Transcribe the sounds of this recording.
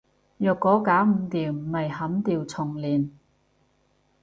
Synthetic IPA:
jœː˨˧kːɔː˨˥kaː˨˥wm̩˧t̪iː˨wm̩˨˩mɐ˨jhɐ˨˥mt̪iː˨˧wt͡sʰʊ˨˩ŋliː˨˩n

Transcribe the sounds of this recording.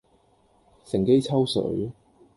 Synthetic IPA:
sɪ˨˩ŋke˥jt͡sʰɐ˥wsɵ̰˨˥

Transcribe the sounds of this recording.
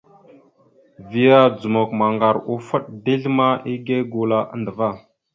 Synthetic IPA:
vi˨ja˦d͡zu˨mo˨kma˨ŋɡa˨ɾu˨fə˦ɗ̚di˦ɮma˦ʔi˦ɡe˦ɡu˨la˦ʔa̰˦ndə˨va˦˨

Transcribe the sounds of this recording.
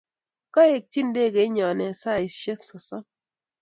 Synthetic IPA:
kɔ˦e˨k̚t͡ʃi˦nde˦˨ɡe˨˦ɲɔ˨nɛ˨sa˦˨i˨ʃe˦ksɔ˨sɔ˦

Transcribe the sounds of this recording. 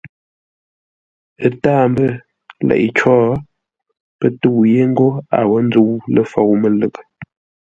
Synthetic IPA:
ə˦taː˦˨mbə˦ | lɛ̰˨ʔi˨t͡ʃɔː˦ | pə˦tu˦˨wje˦ŋ̩˦ɡo˦a̰˨wə˦n˦d͡zu˦wlə˦fo˨wmə˨lə˨kə˨

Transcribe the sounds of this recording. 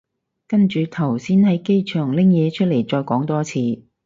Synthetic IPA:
kɐ˥nt͡ʃyː˨˧t̪ʰɐ˨˩wsiː˥nhɐ˨˥jke˥jt͡ʃʰœː˨˩ŋlɪ˥ŋjɛː˨˧t͡ʃʰɵ˥le˨˩jt͡ʃɔː˧jkɔː˨˥ŋt̪ɔː˥t͡sʰiː˧

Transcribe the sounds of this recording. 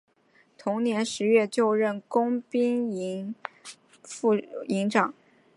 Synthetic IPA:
t̪ʰʊ˧˥ŋnjɛ˧˥nʂɻ̩˧˥ɥɛ˥˧t͡ɕjo˥˧ʊɻə˥˩nkʊ˥ŋpi˥ŋi˧˥ŋ | fu˥˧i˧˥ŋʈ͡ʂɑ˨˩˦ŋ

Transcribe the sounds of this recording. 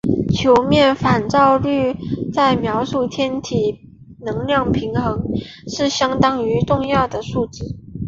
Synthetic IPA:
t͡ɕʰjo˧˥ʊmjɛ˥˩nfa˨˩nʈ͡ʂɑ˥˧ʊly˥˧t͡sa˥˩ɪmjɑ˧˥ʊʂu˥˩t̪ʰjɛ˥nt̪ʰi˨˩ | nɤ˧˥ŋljɑ˥˩ŋpʰi˧˥ŋxɤ˧˥ŋ | ʂɻ̩˥˩ɕjɑ˥ŋt̪ɑ˥ŋy˧˥ʈ͡ʂʊ˥˧ŋjɑ˥˩ʊd̪ə˩ʂu˥˧ʈ͡ʂɻ̩˥˩

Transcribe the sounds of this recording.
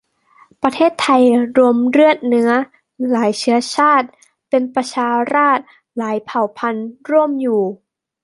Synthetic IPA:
pɾa˧t̪ʰeː˥˩t̪ʰːa˧jɾu˧mɾɯ˥˩ət̪̚nɯ˦˥ɐ | laː˩˦jt͡ɕʰɯ˦˥ɐt͡ɕʰaː˥˩t̪̚ | pe˧npɾa˧t͡ɕʰaː˧ɾaː˥˩t̪̚ | laː˩˦jpʰa˨˩wpʰa˧nɾu˥˩əmjuː˨˩

